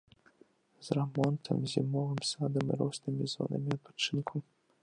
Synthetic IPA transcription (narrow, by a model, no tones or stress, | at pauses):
zramɔnt̪ʰɐ̰mzʲimɔvɨmsad̪ɐmiɾɔsnɨmʲizɔ̰nɐ̰mʲiɐt̪̚pḁt͡ʂɨnkʰu